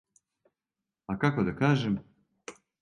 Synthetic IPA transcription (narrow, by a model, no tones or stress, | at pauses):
akakod̪akaːʒem